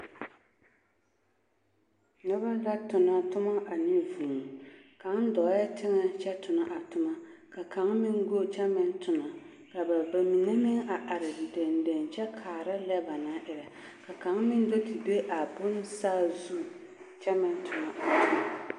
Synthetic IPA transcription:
nʊ˦ba˦la˦tʊ˨na˨tʊ˦ma˦ʔa˨nɪ˦vuː˨ŋ˨ka˨˦ŋ˦dɔ˨˦jɛ˦tʰɪ˦ŋɛ˦t͡ʃɛ˦tʰʊ˨na˦ʔa˨tʊ˦ma˦ka˨ka˨˦ŋmɪ˦ŋ˦ɡo˦t͡ʃɛ˦mɛ˦n˦tʊ˨na˨ | ka˨ba˨ba˨mi˨ŋɛ˦mɪ˦ŋa˨ʔa˨ɾɪ˨dɛ˨ndɛ˨nt͡ʃɛ˦kʰaː˨ɾa˦lɛ˦ba˨na˦ʔɪ˨ɾa˨ | ka˨ka˨˦ŋmɪ˦n˦do˦ti˨be˦ʔa˨bʊ˦n˦saː˦zu˦ | t͡ʃɛ˦mɛ˨n˦tʰʊ˨na˨a˨˦ma˨

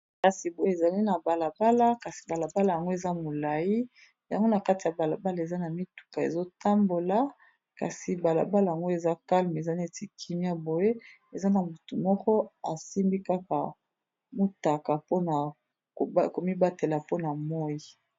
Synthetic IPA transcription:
ka˨si˨bo˨je˦e˨za˨li˦na˨ba˨la˨ba˦la˦ka˨si̥˨ba˨la˨ba˦la˨ja˨ŋɡo˦e˨za˦mo˨la˨ji˦ | ja˨ŋɡo˦na˨ka˦ti˨ja˨ba˨la˨ba˦la˨e˨za˦na˨mi˦tu̥˨ka˨ḛ˨zo˦ta˦mbo˨la˨ | ka̰˨si˨ba˨la̰˨ba˦la˨ja˨ŋɡo˦e˨za˦ka˦lm˨e˨za˦n˦e˨ti˨kʰi˨mi˦a˦bo˨je˦ | e˨za˦na˨mu˨tu˨mɔ˦kɔ˦a̰˨si˦mbi˦ka˦ka˨ | mu˦ta˨ka˨po˦na˨ | o˨˦ko˨mi˦ba˦te˨la˨po˦na˨mɔ˦ji˨

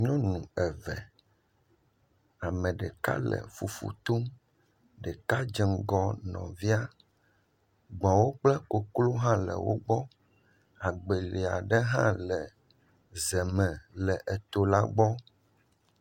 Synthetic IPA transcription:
ɲɔ̃˦nũ˨ɛ˨vɛ˨ | a˨mɛ̃˨ɖɛ˨ka̰˦lɛ̰˨fṵ˨fṵ˨t̪o˦m | ɖɛ˨ka˦d͡ʒɛ˨ŋɡɔ˦nɔ̰̃˨vi˦a˦ | ɡ͡bɔ̃˨wo˦k͡plɛ˦ko˨klo˦ɦã˦lɛ̰˨wo̰˦ɡ͡bɔ˦ | a˨ɡ͡be˨li˨a˨ɖɛ˦ɦã̰˦lɛ˨ | zɛ˨mɛ̃˨lɛ˨ʔɛ˨t̪o˨la˦ɡ͡bɔ˦

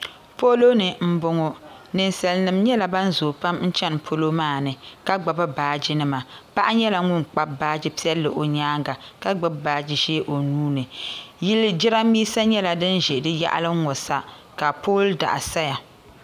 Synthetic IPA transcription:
po˦lo˦nɨ˨m̩˦bʊ˦ŋo˦ | nɨ˨nsa˨lnɨ˨mɲɛ˦la˨ba˦n˦zoː˨pa˦mn̩˦t͡ʃɛ˦npʰo˦lo˦maː˦˨nɨ˨ka˦ɡ͡ba˨ba˦baː˨d͡ʒɪ˦nɨ˦ma˨pa˦ʔa˦ɲɛ˦la˨ŋʊ˦ŋk͡pa˦baː˦d͡ʒɪ˦pi˦ɛ˦lːɨ˨ʔo˨ɲaː˦ŋɡa˨ka˦ɡ͡bɨ˦bbaː˨d͡ʒi˨ʒeː˦ʔo˨nuː˦nɨ˨ji˦ld͡ʒɪ˦ɾa˦miː˦sa˦ɲɛ˦la˨dɨ˦n˦ʒɛ˨dɨ˦ja̰˦ʔa̰˦lɨ˦ŋ˦ŋɔ˨sa˦ | ka˨poː˦lda̰˨ʔa˨sa˦ja˨

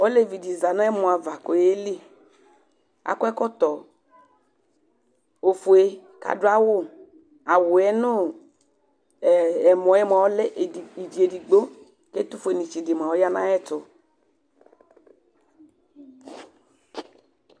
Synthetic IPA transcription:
ɔ˦le˦vi˨di˨za˨na˦ɛ˦mɔ˨a˨va˨ko˨e˦li˦˨ | a̰˨kɛ˦kɔ˦t̪ɔ˨ | o˨fʊ˨e˦ka̰˨dʊ˦a˦wʊ˦˨ | a˨wʊ˨ɛ˦nʊ˦˨ | ɛ˨mɔ˨˦ɛ˦m˨a˨ɔ˦lɛ˦ʔi˨d͡ʒi˨e˨di˨ɡ͡bo˦ | ke˦t̪ʊ˦fe˨ni˨t͡ʃi˨dɪ˨ma˨ɔ˦ja˦nã˦ɛ˦tʊ˨

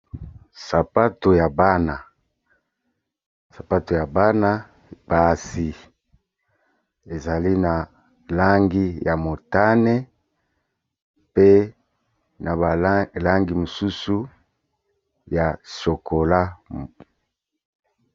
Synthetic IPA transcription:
sa˨pa˦to˨ja˨ba˦na˨ | sa˨pa˦to˨ja˨ba˦na˦ | ba˨si˨ | e˨za˨li˦na˨ | la˦ŋɡi˦ja˨mo˨ta˦ne˦ | pe˦ | na˨ba˨la˦ŋɡi˦mo˨su˦su˦ | ja˨so˨ko˨la˦

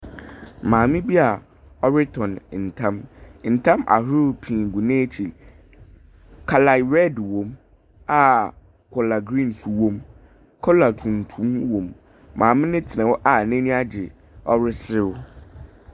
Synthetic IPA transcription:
mãː˨mɪ̃˦bi˦a˨ | ɔ˦ɾɪ˦tʰɔ̃˨n˨n̩˨tʰã˦mn̩˨tʰã˦ma̰˨ɦɾʊ˦pʰĩ˨ɡu˨nẽː˦t͡ɕʰi˨ | kʰa˨la˨ɾɛ˦dwõ˨m | a˨ | kʰɔ˨la˨ɡɾĩ˦nsu˨wõ˦m | kʰɔ˦la˨tʰũ˨n˨tʰũ˦mwõ˨mː | ãː˨mɪ̃˦nɪ̃˦tʰɪ˨nã˨wʊ˦ʔa˨nɛ̃˦nĩ˦a˦d͡ʑɪ˨ | ɔ˦ɾɪ˦sɾɪ˦ʊ˦

